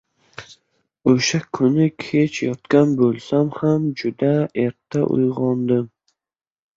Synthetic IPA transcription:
oʃakʰʊnɪkʲʰe̞t͡ʃjɒt̪kʲanbolˠsamhamd͡ʒʊd̪ae̞ɾt̪ʰːaʔʊ̰jʁɒnd̪ɪm

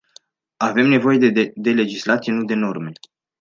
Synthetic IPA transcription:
ave̞mne̞vo̞je̞d̪d̪ele̞d͡ʒislat̪sienud̪e̞no̞rme̞

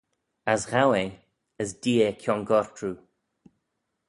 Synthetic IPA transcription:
asɣawe | əzdiːekʰjɔnɡɔɹtɹu

